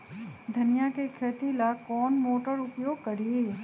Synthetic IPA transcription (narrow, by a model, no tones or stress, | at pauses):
d̪ʱənjakekʰet̪ilakɔnmoʈəɾʊpjoɡ̚kəɾe